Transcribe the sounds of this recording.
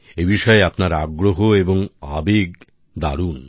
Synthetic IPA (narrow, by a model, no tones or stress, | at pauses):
ebiʃɔeapnaɾaɡɾoɦoeboŋabeɡ | d̪a̰ɽun